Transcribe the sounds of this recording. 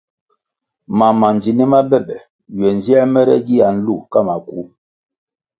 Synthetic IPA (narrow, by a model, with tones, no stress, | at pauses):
ma˨ma˨n˨d͡ʒi˨ni˦ma˦bɛ˦˨ɓɛ˨ | ɥɛ˨n˨zi˦ɛ˦mɛ˦ɾɛ̰˦ɡi˦ja˨n̩˦lu˦˨ka˦˨ma˨ku˨˦